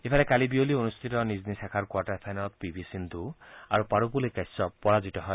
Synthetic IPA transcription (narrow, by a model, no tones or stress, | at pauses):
epʰalekalibiolionust̪ʰit̪ɔniznisakʰaɾkwaʈaɾpʰajnɔt̪̚pibʱisind̪ʱua̰ɾupaɽupulekasɔpɔɽad͡ʒit̪ɔɦɔe